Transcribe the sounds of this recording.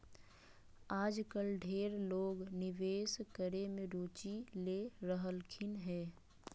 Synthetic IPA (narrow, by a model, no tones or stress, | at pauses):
aːd͡ʒkəlɖʱeːɾloːɡnɪʋeːskəɾemẽɾoːt͡ʃileɾəɦəlkʰɪnɦɛː